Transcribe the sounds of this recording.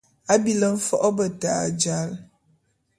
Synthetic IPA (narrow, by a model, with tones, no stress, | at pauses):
a˦bi˨lə˦m̩˦fɔ˦ʔɔ˦bə˨ta˨d͡ʒa˦l